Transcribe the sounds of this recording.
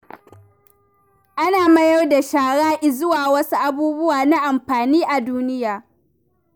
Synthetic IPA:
ʔa˦naː˨mɐ˦jɐ˦rda˨ʃaː˨ɽaː˦ʔɪ˨zʊ˦waː˨wɐ˦su˦ʔa˨buː˦bʊ˦waː˨na˦ʔa˨mɸaː˨niː˦ʔa˨duː˦nɪ˦jaː˨

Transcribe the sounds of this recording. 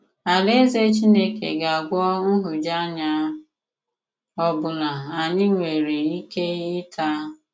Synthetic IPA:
a˨le˦ze˦t͡ʃi˦ne˦kḛ˨ɡa˨ɡʷɔ˦n̩˦ɦʊ˨d͡ʒa˦ɲa˦ | ɔ˦bʊ˨na˨a˨ɲɪ˦ŋʷe˨ɾe˨i˦ke˦ɪ˦tʰa˦

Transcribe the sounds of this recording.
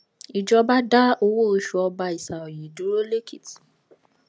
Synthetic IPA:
i˨d͡ʒɔ˧ba˦da˦o˧wo˦o˧ʃu˨˦ɔ˧ba˧i˨sa˨o˨ji˨du˨˦ɾo˦le˦kʰi˦˨t

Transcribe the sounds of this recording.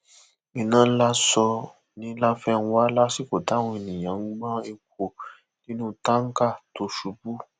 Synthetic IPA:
ĩ˨nãː˨˦la˦sɔ˧ | nĩ˨˦la˦fɛ̃˦˨˧wa˦la˦si˦ko˨ta˨˦wɔ̃˧i˧nĩ˨j̃ã˨˦u˦mã˦e˧k̚ʷʰo˨ | nĩ˦nũ˦ta˦ŋ̩˦ka˦˨to˨˦ʃu˧bu˦

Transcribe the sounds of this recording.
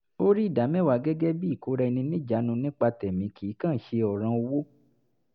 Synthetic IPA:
o˦ɾi˦i˦˨da˨˦mɛ̃˦˨wa˨ɡɛ˦ɡɛ˦bi˦˨ko˨˦ɾɛ˧nĩ˧nĩ˦d͡ʒa˨˦nũ˧nĩ˦k͡pa˧tɛ˨mĩ˨˦kʰi˨˦kã˦˨˦ʃe˧ɔ˨ɾ̃ã˧o˧wo˦

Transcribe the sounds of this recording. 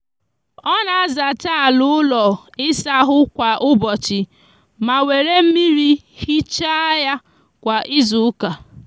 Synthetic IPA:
ɔ˦na˨a˦za˨ta˦˨lʊ˦ʊ˦lɔ˨ɪ˦sa˦ɦʊ˦kʷa˨ʔʊ˦bɔ˨t͡ʃɪ˨ | ma˨we˨ɾe˦m̩˦mi˦ɾi˦ | hi˦t͡ʃa˦ja˦ | kʷa˨ʔɪ˦zʊ˨ʊ˦ka˨

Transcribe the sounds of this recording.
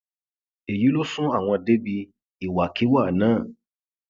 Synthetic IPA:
e˨ji˨˦lo˦sũ˦a˦˨w̃ɔ̃˧˨de˦bi˧ | i˨wa˨ki˨˦wa˦˨nãː˦˨

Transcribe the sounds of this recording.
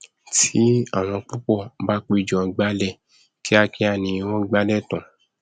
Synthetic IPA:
tʰi˨˦a̰˦˨w̃ɔ̃˧k͡pu˦k͡pɔ˦˨ba˦k͡pe˧˨d͡ʒɔ̃˨˧ɡ͡ba˦lɛ˦˨ | kʰi˦a˧ki˧˦a˧˨nĩ˧w̃ɔ̃˦ɡ͡ba˦lɛ˦˨tã˨

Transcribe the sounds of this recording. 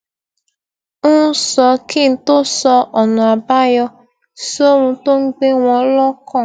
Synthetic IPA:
nʊ˦sɔ˧kɪ˦˨n̩˨to˦sɔ˧ʔɔ˨nʊ̃˨a˨ba˦jɔ˧ | so˦ɾũ˧to˦ŋ̩˦ɡ͡be˦ŋʷɔ̃˨˦lɔ˦kɔ˦˨

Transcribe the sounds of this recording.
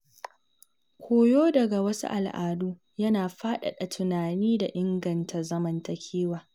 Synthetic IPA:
kʷʰoː˨joː˦dɐ˨ɡa˨wɐ˦sṵ˦ʔa̰˨lʔa̰ː˨duː˦ | jɐ˦naː˨ɸaː˦ɗa̰˨ɗɐ˨tʰʊ˨naː˨niː˦da˨ʔɪ˦ŋɡɐ˨ntʰa˨rzɐ˦mɐ˨ntɐ˨kʲʰiː˦waː˨

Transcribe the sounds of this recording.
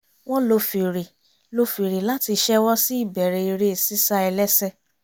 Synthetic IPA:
w̃ɔ̃˦lo˧fi˨ɾi˨ | lo˧fi˨ɾe˨la˨˦ti˧ʃɛ˦wɔ˦si˦i˦˨bɛ˨ɾe˧i˧ɾe˦e˨si˦sa˦ɛ˧lɛ˦sɛ˦˨

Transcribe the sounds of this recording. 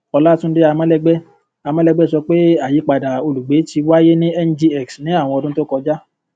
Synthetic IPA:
ɔ˧la˦tũ˦de˦a˧mã˦lɛ˧ɡ͡bɛ˦ | a˧mã˦lɛ˦˧ɡ͡bɛ˦˨sɔ˧k͡pe˦a˦˨ji˨˦k͡pa˨da˨o˧lu˨ɡ͡be˨˦ti˧wa˦je˦nĩ˦ɛ˦n˦d͡ʒi˧ɛ˨ksnĩ˨˦a˦˨w̃ɔ̃˧ɔ˧dũ˦to˦kɔ˧d͡ʒa˦

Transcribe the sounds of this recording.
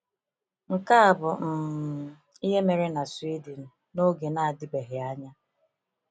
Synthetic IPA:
ŋ̩˨ka˦a˨bʊ˨m̩˨ | i˦ɦe˦me˨ɾe˦na˨swi˦di˨n̩˨ | no˦ɡe˨na˨a˨dɪ˦ɡ͡be˨ɦɪ˨a˦ɲa˦

